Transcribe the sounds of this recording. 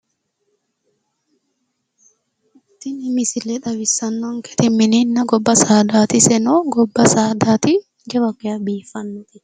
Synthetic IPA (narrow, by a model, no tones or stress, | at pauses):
ɪt̪ːɪnɪmɪsɪlɛᶑ̪ɐbɪsːɐnːɔŋkʰɛ̥t̪ɪmːɪninːɐɡɔbːɐsaːd̪aːt̪ɪsɛnɔɡɔbːɐsaːd̪aːt̪ɪ | ɡɛbɐkːɛjɐbiːfɐnt̪ɛ